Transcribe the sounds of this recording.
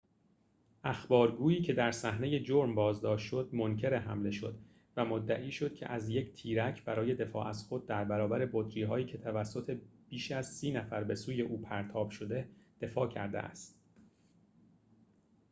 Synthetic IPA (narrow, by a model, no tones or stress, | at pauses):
ʔæxbɒːɾɡuːiːcʰe̞d̪æɾsæhne̞je̞d͡ʒoɾmbɒːzd̪ɒːʃt̪ʃod̪moncʰe̞ɾeɦæmle̞ʃo̞d̪ | væmod̪ːæʔiːʃo̞d̪̥̚cʰe̞̰ʔæzje̞ct̪ʰiːɾæcʰbæɾɒːje̞d̪e̞fɒ̰ːʔæzxo̞d̪̚ːæɾbæɾɒːbæɾebod̪ɾiːɦɒːiːcʰe̞t̪ʰævæsːo̞t̪ʰe̞b̥iːʃæz̥siːnæfæɾbe̞suːje̞ʔuːpʰæɾt̪ʰɒːb̥ʃo̞d̪e̞d̪̥e̞fɒːcʰæ̰ɾd̪e̞̰ʔæ̰st̪